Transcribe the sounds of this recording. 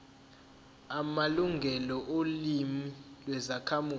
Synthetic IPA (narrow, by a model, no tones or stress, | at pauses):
amaluŋɡʱɛlɔʔolimilwɛzakʰamuː